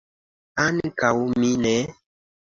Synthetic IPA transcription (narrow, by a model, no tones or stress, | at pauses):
ankawuminɛ